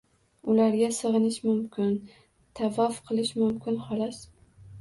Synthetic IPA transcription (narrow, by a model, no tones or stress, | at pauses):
ʊlaɾɡʲasɨʁɨnɪʃmʊmkʲɪn | t̪ʰavɒfqʰɨlˠɪʃmʊmkʲʰɪnhɒlɑs